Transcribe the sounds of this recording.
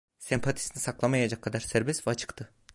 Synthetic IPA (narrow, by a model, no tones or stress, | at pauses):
sɛmpʰat̪ʰi̥sinisaklˠamajad͡ʒakʰːad̪aɾsæɾbɛsvɛat͡ʃʰɯ̥kt̪ʰɯ